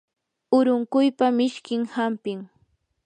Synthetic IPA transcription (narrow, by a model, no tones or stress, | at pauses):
ʊɾʊŋkʊjpamɪʃkɪŋhampɪŋ